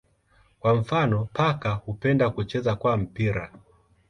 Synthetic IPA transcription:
kwam̩fanɔpʰakahupɛndakut͡ʃɛzakwam̩piɾa

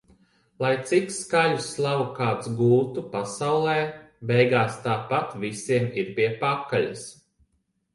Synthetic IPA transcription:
lˠajt̪sikskajuslˠawukaːt̪sɡuːt̪upasawlˠɛː | bɛjɡaːst̪aːpat̪visiɛmiɾpʲiɛpakːaʎis

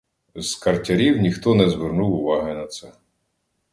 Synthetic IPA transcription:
z̥kɐrtʲɐɾʲiwnʲixt̪ɔnɛzʋernuwʊʋɑɦɪnɐt̪sɛ

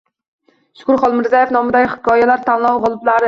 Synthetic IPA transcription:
ʃu̥kuɾχɑlˠmɨɾzɑjfnɑmɨd̪ɛkʲχɨ̥kʰɑːjɛlˠæɾt̪ʰɛnlˠɑwʁɑlˠɨplˠɑɾɨ

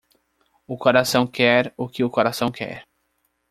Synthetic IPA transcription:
ʊkoɾasɐ̃w̃kɛɾʊkɪʊkoɾasɐ̃w̃kʰɛ̰ɾ

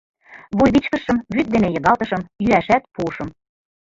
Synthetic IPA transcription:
βujβit͡ɕkə̆ʃɤ̆mβyt̪̚d̪enejɤ̆ɣɑlt̪ɤ̆ʃɤ̆mjyæʃæt̪puɤʃɤ̆m

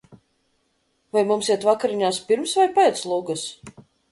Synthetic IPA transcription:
vajmumsiɛt̪vakaɾiɲaːspiɾmsvajpɛːt̪slˠuɡɨs

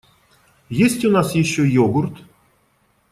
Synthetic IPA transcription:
jesʲtʲunasjɪɕːojoɡurt̪

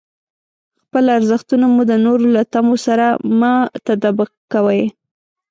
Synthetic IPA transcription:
xpəlaɾzəxt̪unamud̪ənoɾolat̪amosaɾamɑt̪ad̪abəkːawəj

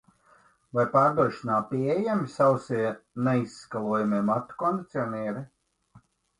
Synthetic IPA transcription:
vajpaːɾd̪uɔʃinaːpiejæmʲisawsinɛisːkalˠuɔjumʲeɛmat̪ːɔ̥kɔnd̪it̪sʲiɔnʲɛːɾi

